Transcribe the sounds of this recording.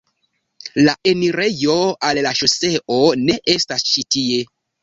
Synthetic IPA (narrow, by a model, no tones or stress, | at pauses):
laʔe̞niɾe̞jo̞allaʃose̞ʔone̞ʔe̞stast͡ʃitie̞